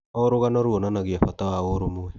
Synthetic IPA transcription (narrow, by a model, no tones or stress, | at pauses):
ɔɾoɣanoɾuonanaɣiafatawaoɾomuwɛ